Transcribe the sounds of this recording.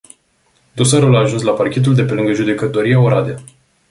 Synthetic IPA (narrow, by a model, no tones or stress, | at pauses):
d̪osaɾulaːʒunslaparkʲe̞t̪̬uld̪e̞pe̞lɨŋɡəʒud̪e̞kət̪o̞ɾiaoɾad̪e